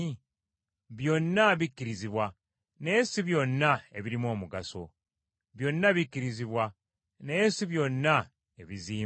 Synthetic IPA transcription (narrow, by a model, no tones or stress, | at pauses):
βjo̞nːaβikːiɾiziβwa | ne̞ːsiβjo̞nːae̞βiɾimo̞ːmuɡaso̞̰ | βjo̞nːaβikːiɾiziβwa | ne̞ːsiβjo̞nːa | e̞βiziː